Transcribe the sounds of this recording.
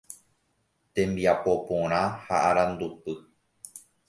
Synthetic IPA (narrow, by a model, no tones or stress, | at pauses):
t̪ẽ̞mbiapo̞põɾ̃ãhaʔaɾãnd̪upɨ